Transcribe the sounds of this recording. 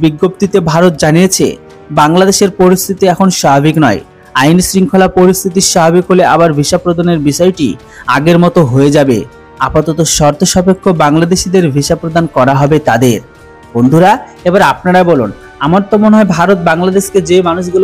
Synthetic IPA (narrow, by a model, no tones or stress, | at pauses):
biɡːop̚t̪it̪ebʱaɾot̪̚d͡ʑanijet͡ɕʰḛ | baŋlad̪eʃeɾpoɾist̪ʰit̪iɛkʰonʃabʱabiknɔe | ajnisɾiŋkʰolapoɾist̪ʰit̪iʃabʱabikɦoleaβaɾbʱiʃapɾod̪aneɾbiʃɔeʈḭ | a̰ɡeɾmɔt̪oɦoed͡ʑabḛ | apat̪ɔt̪oʃɔɾt̪ʰoʃɔpekʰːobaŋlad̪eʃid̪eɾbʱiʃapɾod̪ankɔɾaɦɔbet̪ad̪eɾ | b̥ond̪ʱuɾaebaɾap̚naɾabolun | amaɾt̪omoneɦɔebʱaɾot̪̚baŋlad̪eʃked͡ʑemanuʃ̬ɡulo